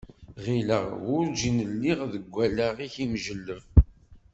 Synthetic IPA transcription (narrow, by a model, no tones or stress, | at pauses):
ʁiləʁwʊɾd͡ʒinəlːiʁðəɡʷːælaʁiçimʒəlːəv